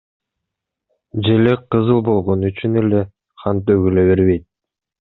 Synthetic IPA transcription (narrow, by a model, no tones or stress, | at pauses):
d͡ʒe̞lekqʰɯzɯlˠbo̞lˠʁo̞nuyt͡ʃyne̞le̞ | qɑnt̪øɡyløβe̞ɾβe̞jt̪̚